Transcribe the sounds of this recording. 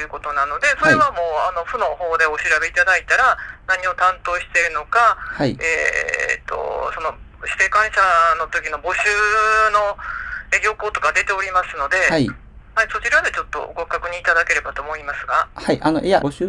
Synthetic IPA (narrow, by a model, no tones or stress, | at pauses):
jɯ̟kot̪o̞nano̞d̪e̞so̞e̞βamo̞ːano̞ɸɯ̟no̞ho̞ːd̪e̞o̞ɕiɾabe̞it̪ad̪ait̪aɾanaɲ̟io̞t̪ãnt̪o̞ːɕi̥t̪e̞ɾɯ̟no̞kahaieːt̪o̞̰so̞no̞ɕi̥t̪e̞kãɰ̃ɕano̞t̪o̞kʲino̞bo̞ɕɨːno̞eɾʲo̞ːkoːt̪o̞kad̪e̞t̪e̞oɾʲimasɨno̞d̪e̞hai | haiso̞t͡ɕiɾad̪e̞t͡ɕo̞t̪ːo̞̰ɡo̞kːakɯ̟ɲ̟iːt̪ad̪ake̞ɾe̞bat̪o̞ːmo̞imasɨɡahaiʔano̰jabɕ